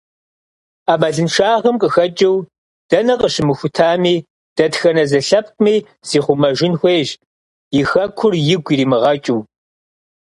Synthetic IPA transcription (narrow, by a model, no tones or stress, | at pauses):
aːmɐɮɨnʂaːʁɐmkʼəxɐt͡ʃʼɪw | d̥ɐnɐqəɕɪmɨxʷʊtʰaːmiː | d̥ɐtxɐnɐzɐɬɐp̚ʰkʷʼʊmiː | z̥iːχʷʊmɐʒɪnxʷeːʒ | jɪxɐkʷʰʊrjɪɡʷiriːmɨʁɐt͡ʃʼɪw